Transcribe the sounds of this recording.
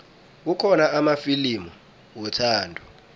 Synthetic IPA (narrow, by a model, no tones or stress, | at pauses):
ukʰɔnaʔamafilimu | wɔtʰaːndʱu